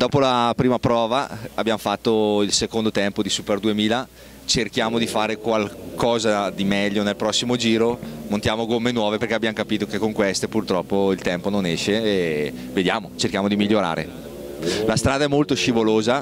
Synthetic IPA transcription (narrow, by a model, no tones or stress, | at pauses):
d̪̥ɔːpolapɾiːmapɾɔːvaabːjamofat̪ːoilsekond̪ot̪ɛmpod̪isuperd̪uemiːla | t͡ʃerkjaːmod̪ifaːɾekwalkɔːzad̪imɛʎːonelpɾɔsːimod͡ʒiːɾomont̪jaːmoɡomːenwɔːveperkeabjamokapiːt̪okekːoŋkwest̪epurt̪ɾɔpːoilt̪ɛmpononɛʃːeː | ved̪jaːmot͡ʃerkjaːmod̪imiʎːoɾa̰ːɾḛ | last̪ɾaːd̪aɛmːolt̪oʃivoloːza